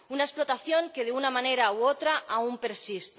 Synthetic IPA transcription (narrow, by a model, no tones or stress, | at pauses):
unaesplo̞t̪aθjo̞ŋke̞ð̞eunamãne̞ɾauot̪ɾaʔaumpe̞ɾsist̪